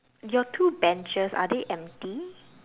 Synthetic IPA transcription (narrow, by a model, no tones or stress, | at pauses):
jɔtʰuːbɛ̃nt͡ʃəsa̰deʔɛ̃mti